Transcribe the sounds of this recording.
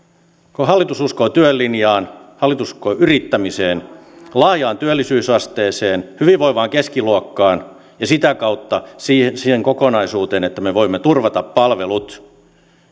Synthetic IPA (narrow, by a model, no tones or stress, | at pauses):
koɦɑlːit̪ususkot̪yølːinjɑːnhɑlːit̪uskoʔyrit̪ːæmiseːnlɑhjɑːnt̪yølːisyːsɑst̪eːseːnhyʋiʋʋoiʋɑːŋkeskiluokːɑːn | jɑsit̪ækɑut̪ːɑsisiheŋkokonɑisuːt̪eːnet̪ːæmeʋoimːet̪urʋɑt̪ɑppɑlʋelut̪